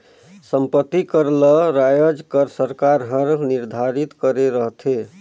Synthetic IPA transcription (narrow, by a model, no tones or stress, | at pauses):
səmpət̪ːikəɾləɾajəd͡ʒkəɾsəɾkaɾɦəɾniɾd̪ʱaɾit̪kəɾeɾəɦt̪ʰe